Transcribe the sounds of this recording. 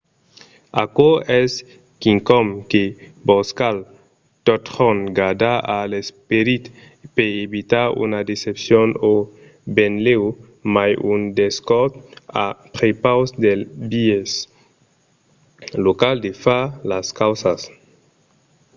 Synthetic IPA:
akoɛs | kiŋkɔmkeboskal | t̪ot̪ɾɔŋɡad̪aalespeɾit̪ | peeβit̪aɾṵnad̪esepsjono | benlew | majund̪eskɔɾt̪a̰pɾepawsd̪elbies | lokald̪efalaskawsas

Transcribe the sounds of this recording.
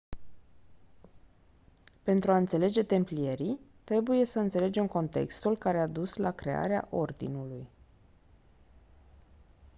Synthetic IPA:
pe̞nt̪ɾuaɨnt̪se̞le̞d͡ʒe̞t̪e̞mplije̞ɾit̪ɾe̞buje̞səɨnt̪se̞le̞d͡ʒe̞mko̞nt̪e̞̰kst̪ulkaɾe̞ad̪uslakɾe̞a̰ɾea̰ʔo̞rd̪ḭnuluj

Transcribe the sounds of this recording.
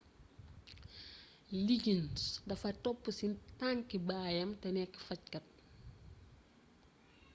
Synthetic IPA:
liɟinsdɐfɐtɔpːusintaŋkibaːjɐmtɛnɛkːi̥fɐc̚kɐt̚

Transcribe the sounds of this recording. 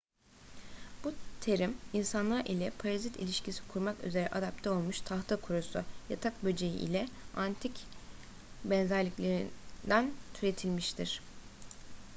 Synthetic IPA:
b̥ut̪ʰe̞ɾiminsanlˠaɾʔilʲɛpʰaɾazit̪ʰḭlʲiʃcʰisi̥kʰuɾmaky̰ze̞ɾɛʔad̪ap̚t̪ʰɛo̞lˠmuʃt̪ʰaxt̪ʰakʰuɾusuja̰t̪ʰak̚bød͡ʒejḭʔḭlʲɛant̪ʰic | bɛnzæɾlʲiclʲe̞ɾḭnd̪ænt̪ʰyɾe̞t̪ʰilʲmiʃt̪ʰiɾ̥

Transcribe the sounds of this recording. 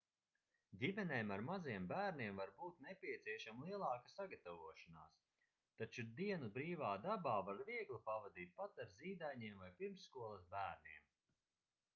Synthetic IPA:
d̪ʲimɛneːmaɾmaziɛmbæːɾniɛmvaɾbuːt̪nɛpʲiɛt̪siɛʃamlˠiɛlˠɑːkasaɡat̪avuɔʃana̰ːs | t̪at͡ʃud̪iɛnubɾiːvaːd̪abaːvaɾviɛɡlˠipavad̪iːt̪̚pat̪aɾziːd̪ajɲiɛmvajpiɾmsːkuɔlˠɐsbæːɾniɛm

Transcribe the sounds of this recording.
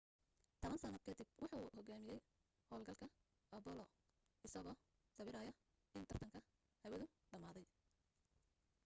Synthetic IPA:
t̪ʰɐβɐnsɐnɐd̪kʰɛt̪ɪbwɑħuːhɔɡaːmɪjɛj | hɔːlɡɐlkʰɐ | ɐbɔlɔ | ɪsɐɣɔː | sɐβɪɾaːjɐ | ɪnt̪ʰɐrt̪ʰɐŋkʰɐ | hɐwɐðʊɖɐmaːðɛj

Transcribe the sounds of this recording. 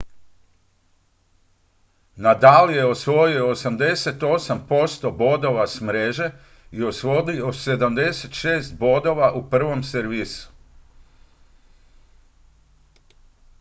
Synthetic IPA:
nad̪alije̞osʋo̞jioːsamd̪e̞se̞t̪o̞sampo̞st̪o̞bo̞d̪o̞ʋasmɾeʒe̞ | io̞sʋo̞d̪iose̞d̪amd̪e̞set̪ʃeːst̪̚bo̞d̪o̞ʋaʔupr̩ʋomseɾʋiːsu̥

